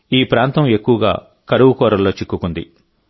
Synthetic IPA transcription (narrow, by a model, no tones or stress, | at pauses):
iːpɾaːnt̪ɐme̞kːuʋɐɡa̰ː | kɐɾuʋukɔːɾɐlːo̞ːt͡ʃikːukund̪ḭ